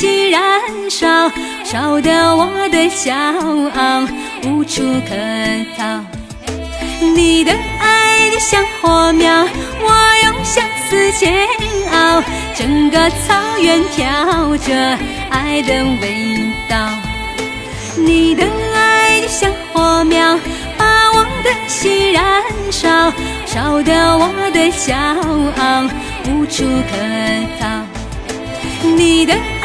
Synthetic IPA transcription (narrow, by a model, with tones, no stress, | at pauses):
t͡ɕi˧˩ɻa˧˦nʂɑ˧˩ʊ | ʂɑ˨˩ʊd̪ə˧wɔ˨˧˦d̪ə˧ɕjɑ˧˥ʊɑ˧ŋ | u˧˥ʈ͡ʂʰu˧˩t̪ʰə˧˦t̪ʰɑ˥˧ʊ | ni˨˩d̪ə˦a˧˥ɪɪɕjɑ˥˧ŋxɔ˧˥mjɑ˥˧ʊwɔ˨˧jo˧˥ŋɕjɑ˧ŋsɹ̩˧t͡ɕʰjɛ˧˥nɑ˧˩ʊ | ʈ͡ʂə˨˩ŋɡə˧t͡sʰɑ˧˥ʊɥɛ˧˥nt̪ʰjɑ˧˦ʊʈ͡ʂə˧˩ | a˥ɪd̪ə˧we˧˥ɪt̪ɑ˥˧ | ni˨˩d̪ə˧˦a˥ɪɕjɑ˧ŋxɔ˧˥mjɑ˥ʊ | pa˧wɑ˧˥ŋd̪ə˧ɕi˧˩ɻa˧˥nʂɑ˧˩ʊ | ʂɑ˨˩ʊd̪ə˧wɑ˨˧˦d̪ə˧ɕjɑ˧˥ʊɑ˧ʊ | u˧˥ʈ͡ʂʰu˧k̪ʰə˧˥t͡s̪ʰɑ˥˧ʊ | ni˨˩d̪ə˧